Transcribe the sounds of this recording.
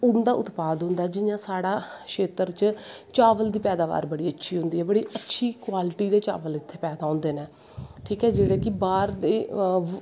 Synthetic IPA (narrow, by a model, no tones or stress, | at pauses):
ʊnd̪aːʔʊt̪paːd̪ɦʊ̃nd̪aːɛːd͡ʒɪjãːsaːɽaːʃeːt̪əɾt͡ʃt͡ʃaːʋəld̪iːpɛːd̪aːʋa̰ːɾbəɽiːətːʃʰiːɦʊ̃nd̪iːɛːbəɽiːʔətːʃʰiːkwaːlɪʈiːd̪eːt͡ʃa̰ːʋəlɪt̪ʰːeːpɛːd̪aːõːnd̪eːneː | ʈʰiːkɦɛːd͡ʒeːɽeːkɪbaːɾd̪eː